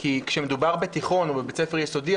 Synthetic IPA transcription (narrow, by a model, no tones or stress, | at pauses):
kikʃemed̪ubaʁbet̪iχo̞nobebet͡sefeʁjeso̞di